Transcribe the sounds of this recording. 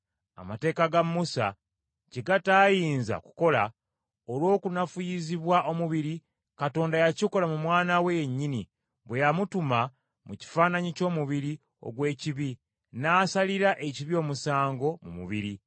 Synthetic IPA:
a̰mate̞ːkaɡamːusa̰ | ceɡataːjiːnza̰ku̥ko̞la | olwo̞ːkunafujiziβwaʔo̞muβiɾi | kato̞ːndajacikolamumwaːnaweɲːini | βwe̞jamutuma | muci̥faːnaɲico̞ːmuβiɾi | o̞̰ɡwe̞ːciβi | naːsaliɾaʔe̞ciβio̞ːmusaːŋɡo̞mṵmṵβiɾi

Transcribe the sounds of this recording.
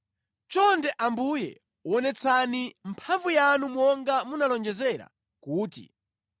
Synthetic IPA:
t͡ʃɔndɛʔambujɛ̰ | uɔnɛt͡sʰanim̩pʰaɱvujanumɔŋɡamunalɔnd͡ʒɛzɛɾa̰ | kuːtḭ

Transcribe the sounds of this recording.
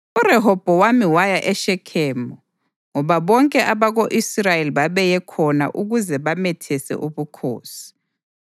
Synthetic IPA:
urɛɦɔb̥ʱɔwamiwajaʔɛʃɛkʰɛːmɔ | ŋɔβaβɔŋkʼɛʔaβaɣoʔisrajeliβaβɛjɛkʰɔna̰ʔuɣuzɛβamɛtʰɛsɛ̰ʔuβukʰo̰ːsi̥

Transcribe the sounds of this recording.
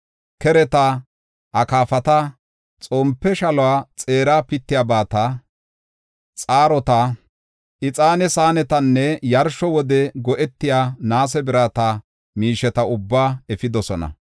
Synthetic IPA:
kɛɾɛt̪a | ʔɐkaːfɐt̪ɐ | t͡sʼoːmpːɛʃɐlɔwaːt͡sʼe̞ːɾaːpɪt̪ːɪjaːbaːt̪ɐ | t͡sʼaːɾɔt̪ɐ | ɪt͡sʼaːnɛsaːnɛt̪ɐnːɛjɐɾʃɔwɔd̪ɛɡɔʔɛt̪ːɪjaːnaːs̬ɛbɪɾaːt̪ɐ | miːʃɛt̪ɐʊbːaːɛfɪd̪ɔsɔnɐ̰

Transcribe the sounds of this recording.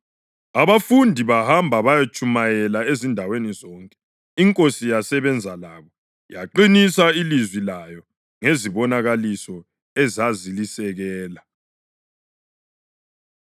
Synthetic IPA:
aβafundʱiβahambʱaβajat͡ʃʼumajɛlaezindʱawenizɔŋkʼɛ̥ | iŋkʼosijasɛβɛnd͡zʱalaβɔ | jaǃinisailizwilajɔ | ŋeziβɔnaɣalisɔ | ɛzazilisɛɣɛːla

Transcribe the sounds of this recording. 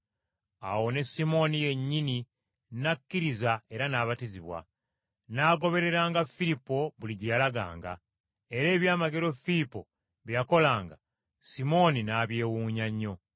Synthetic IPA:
a̰wo̞ne̞simo̞nije̞ɲːini | nakːiɾizae̞ɾanaːβatiziβwa̰ | naːɡo̞βe̞ɾe̞ɾaːŋɡafilipːo̞βuliɟijalaɡa̰ːŋɡa̰ | e̞ɾe̞ːβjaːmaɡe̞ɾo̞filipːo̞ | βijako̞laːŋɡa | simo̞ninaːβje̞ːwuːɲaɲːo̞

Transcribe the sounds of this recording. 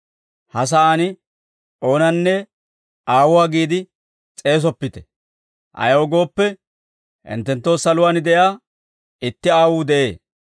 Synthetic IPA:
hɐs̬aaːnɪ | ʔo̞ːnɐnːɛ | ʔaːwʊwaːɡiːd̪ɪ | t͡sʼe̞ːs̬ɔpːɪt̪ɛ̥ | ʔɐ̰jwɔɡo̞ːpːɛ | ʔɪ̰nt̪ːɛnt̪ːo̞ːsɐlʊwaːnɪd̪ɛjaː | ɪt̪ːɪaːwuːd̪ɛʔe̞ː

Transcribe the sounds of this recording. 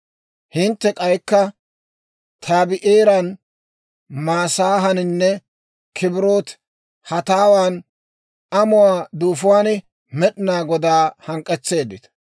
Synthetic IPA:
hɪnt̪ːɛkʼɐjkːɐ | t̪ʰaːbɪʔeːɾɐn | maːsaːɦɐnɪnːɛ | kʰɪbɪɾo̞ːt̪ | hɐt̪aːwaːn | ɐmʊwaːd̪uːfʊwaːnɪ | mɛɗɪnaːɡɔd̪aːhɐŋkʼːɛt͡sːe̞ːd̪ːɪt̪

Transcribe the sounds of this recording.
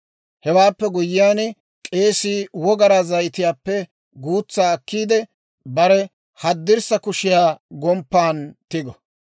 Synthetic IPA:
hɛwaːpːɛɡʊjːɪjaːn | kʼe̞ːsiːwɔɡɐɾazɐjt̪ɪjaːpːɛ | ɡuːt͡sːaːkːiːd̪ɛ | bɐɾɛ | hɐd̪ːɪɾsɐkʊʃɪjaːɡɔmpːaːnt̪ɪɡɔ

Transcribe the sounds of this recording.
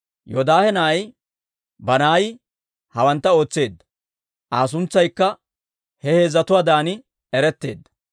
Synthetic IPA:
jod̪aːhɛnaj | bɐnaːjɪ | hɐwɐnt̪ːɐo̞ːt͡sːe̞ːd̪ːɐ̥ | ʔaːs̬ʊnt͡sːɐjkːɐ | hɛhe̞ːzːɐt̪ʊwaːd̪aːnɪ | ɛɾɛt̪ːe̞̰ːd̪ːɐ̥

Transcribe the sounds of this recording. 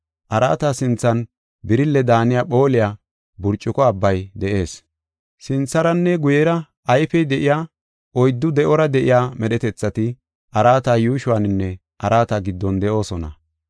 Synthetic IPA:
ʔɐɾa̰ːt̪asɪnt͡sːɐn | bɪɾɪlːɛd̪aːnɪjaːpo̞ːlɪjaː | bʊɾt͡ʃʼːɪkɔɐbːɐjd̪ɛʔe̞ːs | sɪnt͡sːɐɾɐnːɛɡʊjɛɾɐ | ʔɐjfɛjd̪ɛʔɪjaː | ʔɔjd̪ːʊd̪ɛʔɔɾɐd̪ɛʔɪjaːmɛɗɛt̪ɛt͡sːɐt̪ɪ | ʔɐɾaːt̪aːjuːʃʊwanɪnːɛ | ʔɐɾaːt̪ɐɡɪd̪ːɔnd̪ɛʔo̞ːsɔnɐ̰

